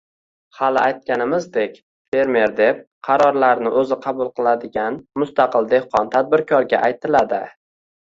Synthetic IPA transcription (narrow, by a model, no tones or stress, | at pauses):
halɪʔajt̪̚kʲanɪmɪzd̪e̞kʲ | fe̞ɾme̞ɾd̪e̞p̚ | qʰɑɾɒɾlaɾnɪʔɵzɪqʰɑbʊlˠqʰɨlˠad̪ɪɡʲanmʊst̪ɑqɨlˠd̪ehqʰɒnt̪ʰad̪̚bɪɾkʰɒɾɡʲa̰ʔajt̪ʰɪlad̪ɪ